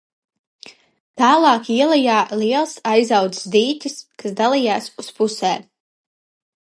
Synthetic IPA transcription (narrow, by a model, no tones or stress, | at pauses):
t̪aːlˠaːkiɛlˠajaːlˠiɛlˠsajzawd̪ssd̪iːt̪ʲiskasd̪alˠijaːsuspusɛː